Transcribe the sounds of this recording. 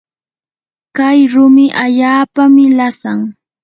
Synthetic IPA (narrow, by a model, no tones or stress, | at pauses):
kajɾʊmɪʔaʎaːpamɪlasaŋ